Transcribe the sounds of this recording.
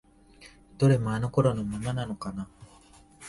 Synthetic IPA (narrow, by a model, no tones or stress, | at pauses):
t̪oɾemaːnokoɾonomumananokana